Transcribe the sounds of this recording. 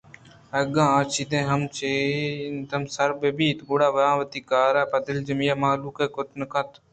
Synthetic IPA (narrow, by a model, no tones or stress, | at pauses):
ɐɡãːãːt͡ʃʰiːd̪ẽːɦɐmt͡ʃeːnt̪ɐmsɐɾbebiːt̪ɡʊɽaːʋɐãːʋət̪iːkaːɾaːpɐd̪ɪld͡ʒəmijaːmaːluːkeːkʊt̪nəkɐ̃t̪ʰ